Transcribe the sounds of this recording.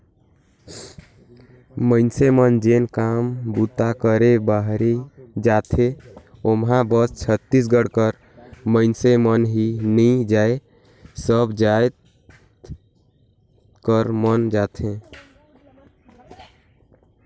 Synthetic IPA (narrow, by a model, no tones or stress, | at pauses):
mə̃ɪnsemənd͡ʒenkaːmbut̪akəɾebaɦɾed͡ʒaːt̪ʰeomɦãbəst͡ʃʰət̪ːis̬ɡəɽkəɾ | məɪnsemənɦinĩd͡ʒaːe | səbd͡ʒajt̪ | kəɾmənd͡ʒaːt̪ʰẽ